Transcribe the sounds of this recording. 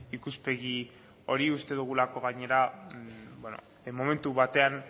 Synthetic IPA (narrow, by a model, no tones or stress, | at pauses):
ikuspe̞ɣi | o̞ɾiust̪e̞ðuɣ̞ulako̞ɣaɲe̞ɾa | bweno̞̰ | mo̞me̞nt̪uβat̪e̞an